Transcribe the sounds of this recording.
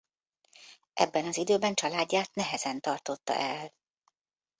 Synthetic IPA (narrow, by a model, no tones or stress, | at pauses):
ʔɛ̰bːɛnɒzid̪øːbɛnt͡ʃɒlaːɟːaːt̪nɛɦɛzɛnt̪ɒrt̪o̞t̪ːɒ̰ʔɛl